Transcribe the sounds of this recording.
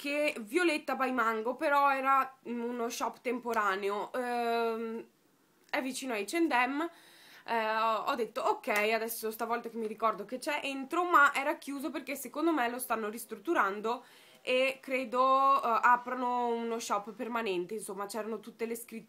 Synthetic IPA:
kʰevjolet̪ːabajmaŋɡopeɾɔɛːɾaunoʃɔpːt̪empoɾaːneo | ɛvːit͡ʃiːnoajt͡ʃend̪ɛm | ɔ̰d̪ːet̪ːookːɛjad̪ɛsːost̪avɔlt̪akemːiɾikɔrd̪ok̟et͡ʃɛʔent̪ɾomaʔɛːɾakjuːzoperkesekond̪omɛlost̪anːoɾist̪ɾut̪ːuɾand̪o | ekɾeːd̪oaːpɾanounoʃɔpːermanɛnt̪einsomːat͡ʃɛːɾanot̪ut̪ːeleskɾit̪ː

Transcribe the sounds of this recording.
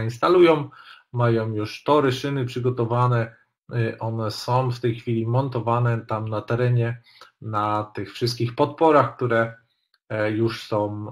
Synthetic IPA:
inst̪alujɔ̃w̃majɔ̃w̃juʂt̪ɔɾɛʂɘnɘpʂɘɡɔt̪ɔvanɛ | ʔɔnɛsɔ̃w̃ft̪ɛjxfʲilʲimɔnt̪ɔvanɛt̪amnat̪ɛɾɛɲɛ | nat̪ɘxfʂɘst̪̚kʲixpɔt̪pɔɾaxk̚t̪uɾɛ | juʂsɔ̃w̃

